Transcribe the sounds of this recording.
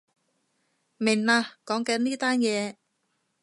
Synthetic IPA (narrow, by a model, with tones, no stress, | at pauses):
mɪ˨˩ŋnaː˧kɔː˨˥ŋkɐ˨˥nnːiː˥t̪aː˥njɛː˨˧